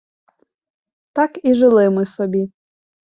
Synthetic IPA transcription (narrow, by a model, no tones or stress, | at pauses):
t̪akiʒɪlˠɪmɪsɔbʲi